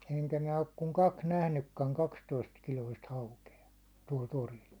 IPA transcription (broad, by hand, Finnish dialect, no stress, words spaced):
eŋkæ minæ ok kuŋ kɑks næhnykːæŋ kɑkstoistkiloist hɑukeɑ tuɒl toril